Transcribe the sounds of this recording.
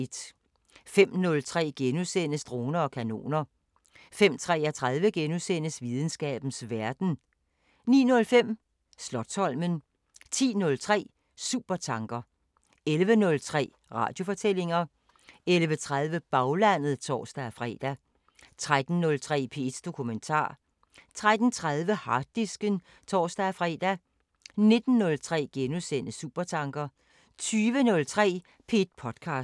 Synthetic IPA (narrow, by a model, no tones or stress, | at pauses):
d̥ | fem̰nɔ̽lt͡sʰʁɛ̰ːɡ̥enusenəsd̥ʁo̝ːnɐɒ̽kʰæno̝̰ːnɐ | fem̰t͡sʰʁɛ̰ːæt͡sʰʁað̞ˠʋəɡ̥enusen̰əsʋið̞ˠn̩sɡ̥ɛ̰ːb̥n̩sʋæɐd̥n̩ | nḭːnɔ̽lfem̰ | slɒ̽d̥sɒ̽l̰mən | t͡sʰḭːnɔ̽lt͡sʰʁɛ̰ː | sṵb̥ɐt͡sʰɑ̈ŋɡ̥ɐ | elʋənɔ̽lt͡sʰʁɛ̰ː | ʁɑ̰̈ːd̥jo̝fɒ̽t͡sʰel̰e̝ŋɐ | elʋət͡sʰʁað̞ˠʋəb̥ɑ̈ʊlæn̰ð̩ˠt͡sʰɒ̰ːsd̥æfʁɛ̰d̥æ | t͡sʰʁad̥n̩ːɔ̽lt͡sʰʁɛ̰ːpʰe̝ed̥d̥o̝kʰument͡sʰɑ̰̈ː | t͡sʰʁad̥n̩t͡sʰʁaðˠʋəhɑ̈d̥isɡ̥ə | t͡sʰɒːsd̥æːfʁɛ̰d̥æ | ne̝d̥n̩ːɔ̽lt͡sʰʁɛ̰ːɡ̥enusen̰əsuːb̥ɐt͡sʰɑ̈ŋɡ̥ɐ | t͡sʰyːʋənɔ̽lt͡sʰʁɛ̰ː | pʰe̝ed̥pʰɒ̽d̥kʰɑ̈ːsd̥